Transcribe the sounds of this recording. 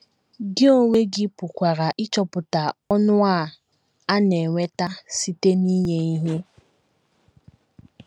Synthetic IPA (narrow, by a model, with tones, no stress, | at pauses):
ɡɪ˦o˦ŋʷe˦ɡɪ˦pʊ˨kʷa˨ɾa˨ʔɪ˦t͡ʃɔ˦pʊ˨ta˨ɔ˦nʊ˦a˦˨ | a˦ne˨ŋʷe˦ta˦si˦te˦ni˦ɲe˦i˦ɦe˦